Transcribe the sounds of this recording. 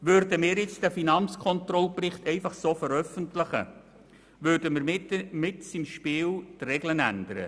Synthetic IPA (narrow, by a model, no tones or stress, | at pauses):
ʋʏɾdəmɪːɾjɪt͡sd̥æfinɑnt͡skʰɔntrɔlprɪχtɛɪfɑχsoːfəɾœfəntlɪχə̰ | ʋøːɾdəmɪɾmɪtsimʃpiːlt̪rɛɡlənænd̥̪əɾə̰